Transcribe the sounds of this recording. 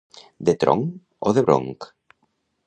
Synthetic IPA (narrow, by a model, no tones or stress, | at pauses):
d̪et̪ɾo̰ŋ | o̰ðeβɾo̰ŋk